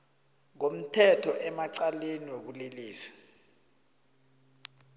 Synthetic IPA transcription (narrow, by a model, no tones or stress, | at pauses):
ŋom̩tʰɛtʰɔʔɛmaǀaleniwok̬uleliːsḁ